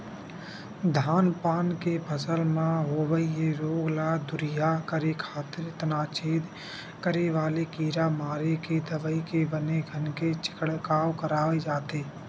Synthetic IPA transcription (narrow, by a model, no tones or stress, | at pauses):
d̪ʱaːnpaːnkebʰʱəsəlmãɦoːʋəiɦeɾoːɡlaːd̪ʊɾɪjakəɾekʰaːt̪ɪɾt̪ənaːt͡ʃeːd̪ | kəɾeʋaːlekiːɾamaːɾeked̪əʋəikebəneɡʱənket͡ʃɪ̥kəɽkaːwkəɾaːʋed͡ʒaːt̪eː